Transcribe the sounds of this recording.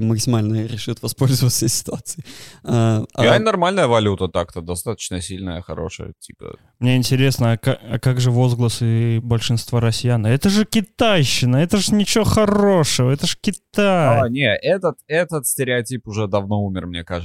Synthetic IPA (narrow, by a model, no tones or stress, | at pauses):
məksʲɪmalʲnəɾʲɪʂɨt̪vɐspolʲzəvət̪sʲesʲɪ̥t̪ʊat̪sɨɪaɐ̰anɐrmalʲnəjəvɐlʲut̪ət̪ak̚t̪əd̪ɐst̪at̪ə̥t͡ɕnəsʲilʲnəjəxɐ̰ɾo̞̰ʂə̰jə̰tʲipə̰ | mnʲeɪnʲtʲɪɾʲe̞snəːkaɐ̰kaɡʐɨvo̞zɡlˠəsɨbəlʲʂɨnst̪vaɾɐsʲɪjanɛt̪əʐɨkʲɪt̪ajɕːɪnəɛt̪əʐɨnʲɪt͡ɕɪvoxɐro̞ʂɨvəɛt̪əʐɨ̥kʲɪt̪ajanʲeɛt̪ət̪ɛt̪ət̪sʲtʲɪɾʲɪɐtʲipʊʐɛd̪ɐvno̞umʲɪrmnʲekaʐ